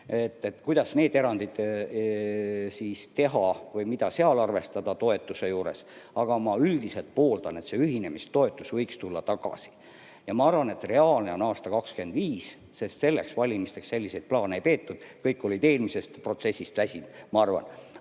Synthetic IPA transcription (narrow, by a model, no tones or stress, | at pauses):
et̪ːˑet̪ːkujd̪̥ɑsne̞ːd̪e̞ɾɑnd̪id̪̥ | sist̪e̞ɦɑvɤjmid̪̥ɑseɑlɑrve̞st̪ɑd̪̥ɑt̪o̞e̞t̪ːˑuse̞juːɾe̞̰sɑɡ̥ɑmɑyld̪̥ise̞lt̪̚po̞ːld̪ɑne̞t̪se̞yɦine̞mist̪ːo̞e̞t̪ːˑusvɤjkst̪ulːɑt̪ɑɡ̥ɑ̰si̥ | jɑmɑɑrvɑne̞t̪re̞ɑːlne̞o̞nɑːst̪ɑkɑkskyend̪viːs | se̞st̪se̞lːe̞ksvɑlʲimist̪e̞ksse̞lːise̞jd̪̚plɑːneejpeːt̪ːud̪̥kɤjkːˑo̞lʲid̪e̞ːlmise̞st̪pro̞t̪se̞sʲːist̪væsʲinmɑɑrvɑ̰n